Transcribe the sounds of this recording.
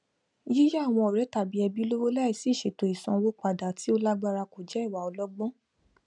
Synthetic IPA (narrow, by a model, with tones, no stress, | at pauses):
ji˦ja˦a˦˨w̃ɔ̃˧ɔ˨ɾɛ˨˦ta˨bi˨˦ɛ˧bi˦lo˦wo˦la˦i˦˨si˦˨ʃe˨to˨i˨sɔ̃˧wo˦k͡pa˧da˨tʰi˨˦o˦la˦ɡ͡ba˧ɾa˧ko˨d͡ʒɛ˨˦i˦˨wa˨ɔ˧lɔ˦ɡ͡bɔ̃˦